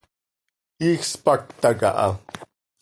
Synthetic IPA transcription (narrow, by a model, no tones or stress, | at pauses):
ixspak̚t̪aka̰ʔɑ̰